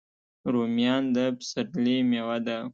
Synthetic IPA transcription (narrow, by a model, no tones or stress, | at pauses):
ɾomijɑnd̪əpsəɾlimewad̪a